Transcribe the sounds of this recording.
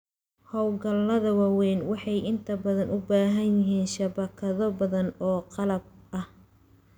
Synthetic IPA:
hɔwɡɐlːɐðɐwɑwɛːnwɑħɑjʔɪnt̪ʰɐbɐðɐnʊbaːɦɐnjɪɦiːnʃɐbɐkʰɐðɔbɐðɐnɔːqɑlɐb̚ʔɐh

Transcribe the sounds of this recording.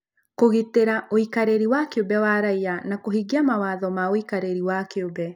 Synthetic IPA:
koɣiteɾaʔoikaɾeɾiwakeobɛwaɾaianakoɦiɡiamawaːðɔmaoikaɾeɾiwakeobɛ

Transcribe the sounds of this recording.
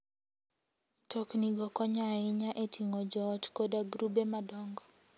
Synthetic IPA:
tʰɔkniɡɔkɔɲaɪɲaʔetʰiŋɔd͡ʒɔtkɔdaɡɾubemadɔŋɡɔ

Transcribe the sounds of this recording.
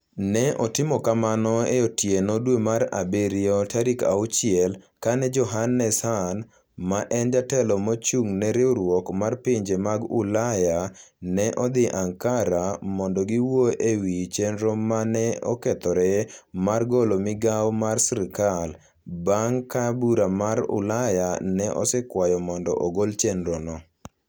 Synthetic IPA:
nɛʔɔtɪmɔkamanɔeotjenodwemaɾa̰beɾɪɔtaɾika̰ʊt͡ʃɪɛl | kanɛd͡ʒɔɦanːɛshan | maʔɛnd͡ʒatɛlɔmot͡ʃuŋnɛɾɪoɾwɔkmarpɪɲd͡ʒemaɡṵlaja | nɛʔɔd̪ɪʔaŋkaɾamɔndɔɡɪwoʔewit͡ʃenɾomanɛɔkɛt̪ɔɾɛmarɡolomɪɡawɔmarsɾɪkal | baŋkabuɾamaɾʊ̰lajanɛʔɔ̰sɛkwajɔmɔndɔ̰ʔoɡolt͡ʃenɾonɔ

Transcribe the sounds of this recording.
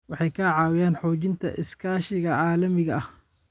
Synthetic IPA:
wɑħɑjkʰaʕɑːwɪjaːnħɔːt͡ʃɪnt̪ʰɐ̰ʔɪskʰaːʃɪɣɐʕaːlɐmɪɣɐɐh

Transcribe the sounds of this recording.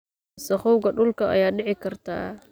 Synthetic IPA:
sɐχɔwɣɐɖʊlkʰɐʔɐ̰jaːɖɪʕɪkʰɐrt̪ʰa̰ː

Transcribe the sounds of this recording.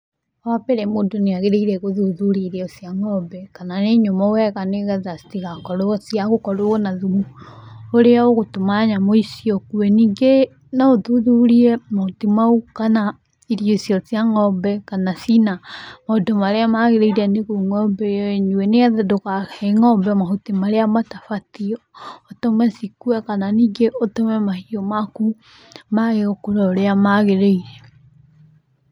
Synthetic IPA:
apeɾemoːndoneaɣeɾeiɾɛɣoðuðuɾiɾɛosiaŋɔbɛkananeɲomaowɛɣaneɣaðasi̥tiɣakɔɾosiaɣokɔɾoɔnaðumu | oɾeɔoɣotomaɲamoisiɔkuɛniːŋɡe | naoðuðuɾiɛmatimaukana | iɾiosiɔsjaŋɔbɛkanasinamaodɔmaɾeamaɣeɾeiɾaneɣuŋɔbɛɔeɲuwɛneaðɛdokaɣɛŋɔbɛmaɦutemaɾeamatafatiɔotomɛsikuɛkananiɡeʔotomɛmahiɔmaku | maɣeɣɔkoɾɔɾeamaɣeɾeiɾɛ

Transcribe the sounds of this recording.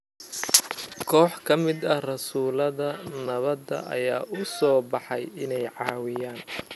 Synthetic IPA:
kʰɔːħkʰɐmɪd̪ɐrɐsuːlɐðɐnɐβɐd̪ɐ̰ʔɐ̰jaːʔʊsɔːbɑħɑjɪnɛjʕɑːwɪjaːn

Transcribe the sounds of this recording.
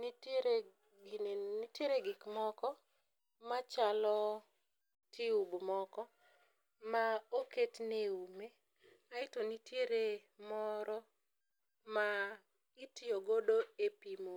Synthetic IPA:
niteɾe | nitjeɾeɡɪkmɔkɔ | mat͡ʃalɔ | tʰiubmɔkɔ | maoketneume | aɪtonitjeɾe | mɔɾɔ | ma | ɪtɪoɡodoepimo

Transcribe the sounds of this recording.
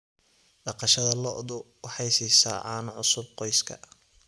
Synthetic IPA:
ɖɑqɑʃɐðɐlɔʔd̪ʊwɑħɑjsiːsa̰ːʕɑːnɐʕʊsʊb̚qɔjskʰɐ̰

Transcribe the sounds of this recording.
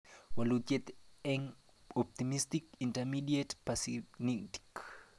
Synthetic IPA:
walut͡ʃet̪ɛŋ | ɔp̚t̪imist̪ikintɛmidietpasiniti̥k

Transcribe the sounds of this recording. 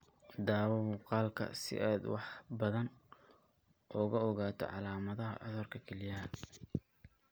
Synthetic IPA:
d̪aːwɔmuːqɑːlkʰɐ̰sɪ̰ʔaːd̪wɑħbɐðɐn | ʔɔːɣɐɔɣaːt̪ʰɔ̰ʕɑ̰laːmɐðɐɦɐ̰ʕɔ̰ðɔrkʰɐkʰɛlɪjɐɦɐ

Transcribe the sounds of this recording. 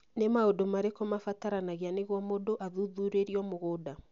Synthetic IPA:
nemaodomaɾekɔmafataɾanaɣeaneɣwɔmodoʔaðuðuɾeɾiɔmoɣoːda

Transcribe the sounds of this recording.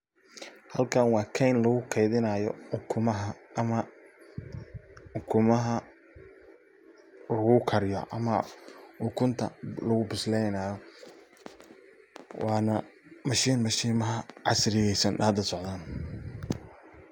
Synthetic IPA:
hɐlkʰaːnwɑːkʰɛjnlɐɣʊkʰɛjðɪnɐːjɔ̰ʊkʰʊmɐɦɐmɐ | ʊkʰʊmɐɦɐ | lʊɣʊkʰɐɾɪjɔ̰ʔɐ̰mɐʊkʰʊnt̪ʰɐ̰lɐɣʊbɪslɛjnaːjɔ | wʔɑːnɐmɐʃiːnmɐʃiːmɐɦɐʕɑ̰sɾɪɣɛsɐnaːd̪ɐsɔʕðaːn

